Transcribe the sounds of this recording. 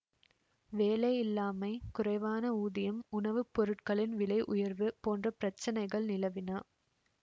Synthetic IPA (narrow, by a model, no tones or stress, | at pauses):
ʋeːlɐɪɪlːaːmɐɪkʊrɐɪʋaːnɐuːðɪjɐmʊnɐʋɯpːɔɾɯʈkɐɭɪnʋɪlɐɪʔʊjɐɾʋɯpoːndrɐpɪɾɐt͡ʃːɐnɐɪɣɐɭnɪlɐʋɪnaː